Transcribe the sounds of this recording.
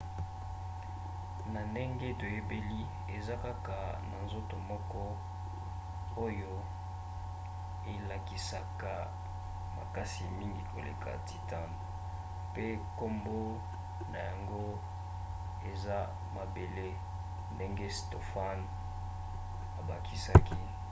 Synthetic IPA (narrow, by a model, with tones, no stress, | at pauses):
na˨nde˦ŋɡe˦to˨je˦be˦li˦ | e˨za˦ka˦ka˨ | na̰˨nzo˦to˨mɔ˦kɔ˦ | o˦jo˦ | e˨la˨ki˨sa˨ka˨ | ma̰˨ka˦si˨mi˦ŋɡi˨ko˨lḛ˨kʰa̰˨ti˨ta˦n˨ | pe˦ko˦mbo˦ | na˨ja˨ŋɡo˦ | e˨za˦ | ma˨be˨le˦ | nde˦ŋɡe˦sto˨fa˦n | a˨ba˨ki˦sa˦ki˦